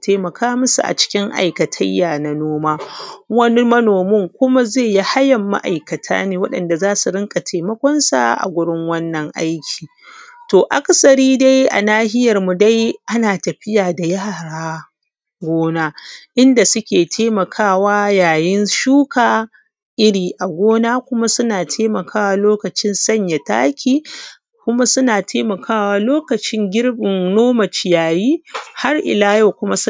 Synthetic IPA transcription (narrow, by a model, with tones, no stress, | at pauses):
tʰeː˦mɐ˨kʰaː˦mʊ˦sṵ˨ʔa̰˨t͡ʃɪ̥˦kʲɪ˦ŋʔa̰˨jkɐ˨tʰɐ̰˦jːaː˨na˨noː˦maː˦wɐ˦ni˦mɐ˦noː˨mʊ˦ŋkʷʊ˦ma˦ze˦˨ji˦ha˦jɐ˨mːa̰˦ʔa˨jkɐ˨tʰa̰ː˦neː˨wɐ˦ɗɐ̰˨nda˨zaː˦su˨ɾɪ˦ŋkʼa˨tʰeː˨mɐ˦kʷɔ˦nsa̰˦˨ʔa̰˨ɡʷʊ˦ɽɪ˦ŋwɐ˦nːɐ˨ŋʔa̰˦jkʲʰi̥ː˨ | toː˨ʔa˦kʼsɐ˨ɾiː˦da˦jʔa̰˨naː˦hɪ˦jɐ˨rmu˨da˦jʔa˦naː˨tɐ˨ɸɪ˦jaː˨da˨ja˦ɾaː˦ | ɡʷoː˦naː˦ʔɪ˦nda˨sʊ˦kʲeː˨tʰeː˦mɐ˨kʰaː˦˨waː˦jaː˨jɪ˦nʃuː˦kaː˨ | ʔɪ˦ɾiː˨ʔa˨ɡʷoː˦naː˦kʷʊ˦ma˦sʊ˦naː˨tʰeː˦mɐ˨kʰaː˦˨waː˦loː˦kɐ˨t͡ʃɪ˦nsɐ˦˨ɲja˨ta̰ː˦kʲʰiː˦ | kʷʊ˦ma˦sʊ˦naː˨tʰeː˦mɐ˨kʰaː˦˨waː˦loː˦kɐ˨t͡ʃɪ˦ŋɡʲɪ˦rbɪ˨ŋnoː˦mɐ˨t͡ʃɪ˨jaː˨jiː˦ha˦rʔɪ̰˨laː˦jo˨kʷʊ˦ma˦